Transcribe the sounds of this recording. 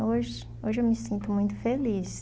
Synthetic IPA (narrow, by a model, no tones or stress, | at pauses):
oʒɪ | oʒɪewmɪsĩnt̪ʊmũj̃t̪ʊ̥felis